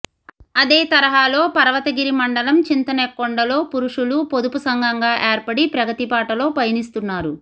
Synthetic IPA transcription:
ɐd̪e̞ːt̪ɐɾɐɦaːlo̞ːpɐɾɐʋɐt̪ɐɡiɾimɐɳɖɐlɐmt͡ʃint̪ɐnɛkːoɳɖɐlo̞ːpuɾuʂulupod̪upusɐŋɡʱɐŋɡaːʔeːɾpɐɽipɾɐɡɐt̪ipaːʈɐlo̞ːpɐjnist̪unːaːɾu

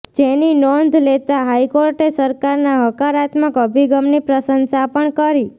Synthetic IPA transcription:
d͡ʒeninɔnd̪ʱlet̪aɦajkoɾʈesəɾkaɾnaɦəkaɾat̪məkəbʱiɡəmnipɾəsənsapəɳkəɾi

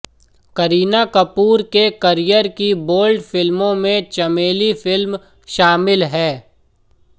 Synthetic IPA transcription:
kɐɾiːnakɐpuːɾkekɐɾijəɾkiboːlɖfɪlmõmẽt͡ʃɐmeːlifɪlm | ʃaːmɪlɦɛː

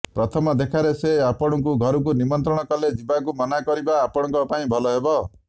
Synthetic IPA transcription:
pɾɔt̪ʰɔmɔd̪ekʰaɾeseapɔɽ̃ɔŋk̬uɡʱɔɾɔk̬unimɔnt̪ɾɔɽ̃ɔkɔled͡ʒibakumɔnakɔɾibaːpɔɽɔŋkɔpaĩbʱɔlɔɦebɔ

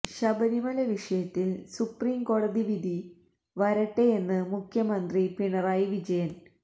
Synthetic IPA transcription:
ɕɐbɐɾimɐlɐʋiʂɐjɐt̪ːilsupriːmko̞ːɽɐðiʋid̪ʱi | ʋɐɾɐʈːejenːɨmukʰjɐmɐnd̪ripiɳɐraːjiʋid͡ʑɐjɐn

